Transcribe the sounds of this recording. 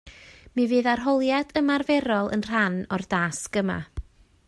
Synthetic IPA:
mivɨːðarɦɔlˠjadəmarvɛɾɔlˠə̰nr̥anɔrdaːsɡəma̰

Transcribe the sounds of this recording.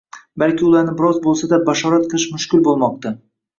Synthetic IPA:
balkʲʰɪʊlˠaɾnɪbɪɾɒzbolˠsad̪abaʃɒɾat̪qʰɨlˠɪʃmʊʃkʲɪlbolˠmɒq̚t̪a

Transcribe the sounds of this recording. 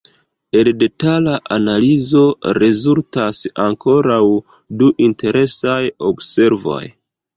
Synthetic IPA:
e̞lde̞talaʔanalizo̞ɾezultasaŋko̞ɾaw | duʔinte̞ɾʔe̞sajobse̞ɾvo̞̰j

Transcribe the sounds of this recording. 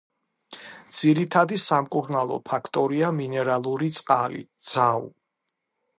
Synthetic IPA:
d̪z̥iɾit̪ʰad̪isamkʼuɾnalˠɔ̰pʰakʰt̪ʼɔɾiaminɛɾalˠuɾit̪sʼqʼalḭd̪z̥aṵ

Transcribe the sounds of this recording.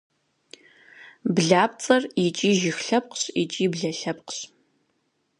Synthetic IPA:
bɮaːp̚t͡sʼɐrit͡ʃʼiːʒɪxɬɐp̚qɕit͡ʃʼiːbɮɐɬɐp̚qɕ

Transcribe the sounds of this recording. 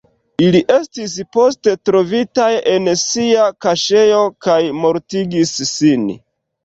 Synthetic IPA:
iliʔe̞stis̬po̞ste̞tɾo̞vitaje̞nsiakaʃe̞jokajmo̞ɾtiɡisːin

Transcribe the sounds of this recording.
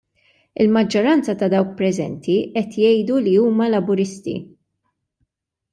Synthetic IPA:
ɪlmɐd͡ʒːɔɾɐnt͡sɐt̪ɐd̪ɐwk̚pɾɛzɛ̰nt̪iʔɛt̪jɛjd̪uliuːmɐlɐbʊɾɪst̪ḭ

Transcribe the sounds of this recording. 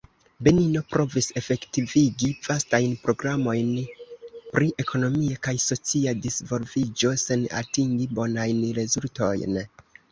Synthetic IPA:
benino̞pɾo̞vise̞fe̞ktiviɡivastajnpɾo̞ɡɾamo̞jn | pɾiʔe̞kʰo̞no̞miakajso̞t͡siadisvo̞lvid͡ʒo̞se̞na̰tiŋɡibo̞najnɾe̞zulto̞̰jn

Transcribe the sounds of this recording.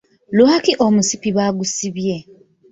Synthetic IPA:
lwakiʔomusipiβaɡusiβje̞

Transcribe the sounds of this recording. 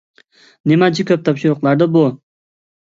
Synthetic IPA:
nemat͡ʃʰɪkʲʰɵp̚t̪ʰɒpʃɪɾʊqlˠaɾd̪abʊ

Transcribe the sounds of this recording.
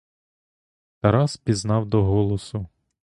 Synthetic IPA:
t̪ɐɾɑspʲiznɑwd̪ɔɦɔlˠɔsʊ

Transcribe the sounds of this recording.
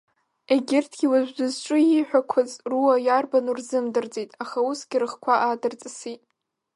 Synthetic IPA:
eɡʲɪrtʰɡ̥ʲiwaʒʷᶣdʊzt͡ʃʷʼʊiħʷᶣakʷʰazruwajarbanurzɨmdɨrd͡zʼejtʼaχausɡ̥ʲɪɾɨχkʷʰaʔadɨrt͡sʼɨsitʼ

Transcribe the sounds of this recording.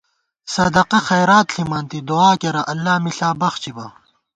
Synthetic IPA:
sɐd̪ɐqɐxɐjɾaːt̪ɬimaːnt̪id̪uaːkeɾɐʔɐlːaːmiɬaːbɐxt͡ɕibɐ

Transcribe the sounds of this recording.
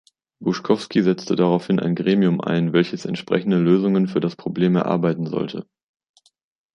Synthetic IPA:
b̥ʊʃkʰɔfskizɛt͡stədaʁaʊfhɪnʔa̰ɪnɡʁeːmiʊmʔa̰ɪnvɛlçəsɛ̰ntʃpʁ̥ɛçn̩dəløːzʊŋənfyːɐɾaspʁ̥obleːmɛɐʔa̰ɐbaɪtn̩zɔ̰ltʰə̰

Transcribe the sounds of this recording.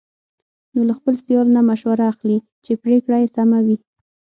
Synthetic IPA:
nolaxpəlsjɑlnamaʃwaɾaːxli | t͡ʃepɾekɽajesamawi

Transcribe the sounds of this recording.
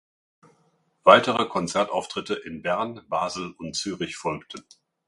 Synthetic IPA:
v̥aɪtəʁ̞əkʰɔnt͡sɛɐtaʊftʁ̥ɪtəʔɪnbɛɐnb̥aːzl̩ʊntt͡syːʁɪçfɔlktʰən̩

